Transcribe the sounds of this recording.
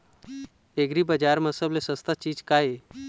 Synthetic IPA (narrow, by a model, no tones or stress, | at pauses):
eɡɾiːbəd͡ʑaɾməsəblesəst̪at͡ɕiːd͡ʑkaje